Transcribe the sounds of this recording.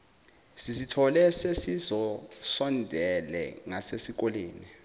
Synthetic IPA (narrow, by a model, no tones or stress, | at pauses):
sisitʰɔlɛsesizɔsɔndʱɛlɛ̰ŋasesik̬ɔleːni